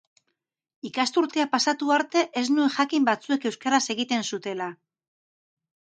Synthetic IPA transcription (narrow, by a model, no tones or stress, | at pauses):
ikast̪uɾt̪eapasat̪uaɾt̪e̞ʔe̞znue̞ŋʝakimbat͡sue̞ke̞wskaɾase̞ɣit̪e̞nsut̪e̞la